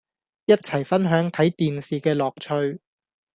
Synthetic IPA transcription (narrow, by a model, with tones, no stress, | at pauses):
jɐ˥t̚t͡sʰɐ˨˩jfɐ˥nɦœː˨˥ŋt̪ʰɐ˨˥jt̪iː˨nsiː˨kɛː˧lɔː˨k̚t͡ʃʰɵ˧ɥ